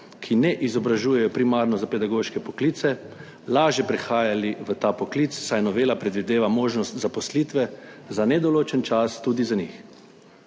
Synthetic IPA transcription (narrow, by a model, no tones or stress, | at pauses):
kʰinɛʔizɔbɾaʒuːjɛjɔpɾimaːɾnɔzapɛd̪aɡoʃkɛpɔkliːt̪sɛ | laːʒjɛpɾɛxaːjaliʋət̪aːpɔklit̪ssajnɔʋeːlapɾɛd̪ʋid̪eːʋamoːʒnɔst̪zapɔsliːt̪ʋɛzanɛd̪ɔloːt͡ʃɛnt͡ʃast̪ud̪izanix